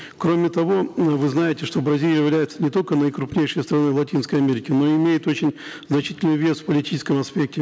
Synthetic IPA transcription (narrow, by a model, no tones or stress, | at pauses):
kɾo̞mʲɪt̪ɐvo̞vɨznajɪtʲɪʂt̪o̞bɾɐzʲilʲjɪvʲlʲæjɪt̪sənʲɪt̪o̞lʲkənəjkɾʊpnʲejʂəjst̪ɾɐnojvlˠɐtʲinskəjɐmʲeɾʲɪkʲɪno̞ɪmʲejɪt̪o̞t͡ɕɪnʲznɐt͡ɕitʲɪlʲnʊjvʲe̞sfpəlʲɪtʲit͡ɕɪskəmɐspʲe̞k̚tʲɪ